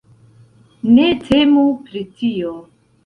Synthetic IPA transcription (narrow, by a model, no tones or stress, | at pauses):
ne̞tʰe̞mupɾitʰio